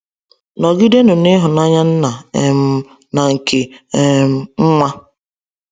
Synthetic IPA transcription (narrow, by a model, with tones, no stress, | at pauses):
nɔ˨ɡɪ˦de˦nʊ˨nɪ˦ɦʊ˨na˦ɲa˦n̩˦na˨e˨m̩˦ | na˨ŋ̩˨kʰe˨e˦m̩˦ŋ̩˦ŋa˦